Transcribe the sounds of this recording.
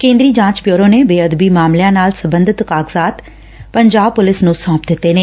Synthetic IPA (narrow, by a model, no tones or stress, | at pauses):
kẽːnd̪ɾiːd͡ʒãːt͡ʃbjoːɾoːneːbeːəd̪biːmaːmlejãːnaːlsəbə̃nd̪ʱɪt̪kaːɡzaːt̪ | pəɲd͡ʒaːb̚pʊlɪsnũːsɔ̃ːpd̪ɪt̪ːeːneː